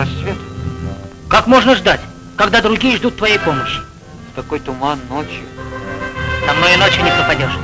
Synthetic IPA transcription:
ɐsʲot̪ | kakmo̞ʐnəʐd̪atʲ | kɐɡd̪ad̪ɾʊɡʲijəʐd̪ut̪ːvɐjejpo̞məɕːɪ̥ | t̪ɐko̞jt̪ʊmanːot͡ɕjʊ | t̪ɐmnojɪno̞t͡ɕjɪnʲɪpɾəpɐdʲoʂ

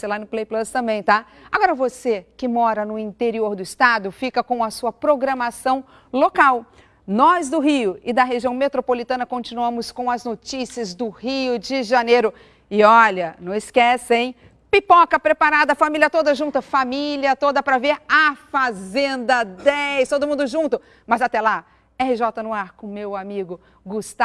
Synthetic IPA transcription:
selanʊplejplɐst̪ɐ̃mbẽj̃t̪a | aɡɔɾɐvosekɪmɔɾɐnʊĩnt̪eɾioɾd̪ʊɪst̪ad̪ʊfikɐkõɐsuɐpɾoɡɾɐmasɐ̃w̃ | lokaw | nɔzd̪ʊɦiʊɪd̪ɐɦeʒiɐ̃w̃met̪ɾopolit̪ɐ̃nɐkõt͡ʃĩnuɐ̃mʊskõɐznot͡ʃisiɐzd̪ʊhiʊd͡ʒɪʒanejɾʊ | ɪɔlɐnɐ̃w̃ɪskɛsẽj̃ | pipɔkɐpɾepaɾad̪ɐfamilʲiɐt̪od̪ɐʒũt̪ɐfamiliɐt̪od̪ɐpɾɐveɾɐfazẽnd̪ɐd̪ɛjst̪od̪ʊmũnd̪ʊʒũt̪ʊ | mɐzat̪ɛla | ɛɦɪʒɔt̪ɐnʊaɾkõmewamiɡʊ | ɡust̪a

